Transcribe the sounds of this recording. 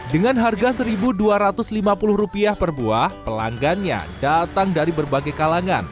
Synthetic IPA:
dəŋanɦarɡasəɾibuduaɾat̪ʊslimapulʊhrupiahpərbuahpəla̰ŋɡanɲa̰dat̪aŋdaɾibərbaɡajkalaŋa̰n

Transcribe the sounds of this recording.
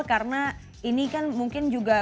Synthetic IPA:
kaɾəna | inikanmuŋkɪnd͡ʒuɡa

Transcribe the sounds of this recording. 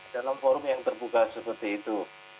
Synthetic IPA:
d̥alamfɔɾʊmjaŋt̪ərbukasəpərt̪iːt̪u

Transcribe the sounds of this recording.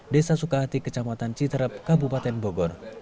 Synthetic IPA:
desasukaɦat̪ikət͡ʃamat̪ant͡ʃit̪əɾəp̚kabupat̪ɛnboɡɔr

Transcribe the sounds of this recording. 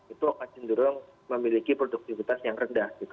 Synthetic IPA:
it̪uakat͡ʃɪnd̪uɾʊŋ | məmilikipɾoduk̚t̪ifit̪asjaŋrəndahɡit̪u

